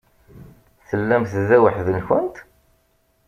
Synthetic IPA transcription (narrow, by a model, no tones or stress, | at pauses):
θəlːæmθðæwəħðənçənt̪